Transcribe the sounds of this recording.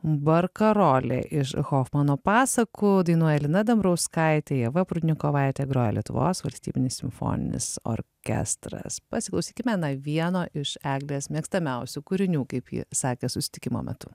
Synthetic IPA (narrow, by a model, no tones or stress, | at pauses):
bɐɾkɐɾoːlʲḛːʔɪʃxoːxmɑnoːpɑːsɐkʊd̪ɐɪnuɔjɛlʲɪnɐd̪ɐmbɾɐʊskɐɪt̪ʲɛjɛʋɐpɾʊd̪ʲnʲɪkoːʋɑɪt̪ʲɛɡɾoːjɛlʲiɛt̪ʊ̰ʋo̰ːsʋɐlʲsʲt̪ʲiːbʲɪnʲɪsʲɪmfo̰ːnʲɪ̰nʲɪ̰so̰ɾʲkʲɛ̰st̪ɾɐ̰spɐsʲɪklˠɐʊsʲiːkʲɪmʲɛnɐʋʲiɛnoːʔɪʃæːɡlʲeːsmʲiɛkst̪ɐmʲɛʊsʲukʊɾʲɪnʲuːkɐɪpjḭsɑːkʲɛsʊsʲɪ̥t̪ʲɪkʲɪmo̰ːmʲɛ̰t̪ʊ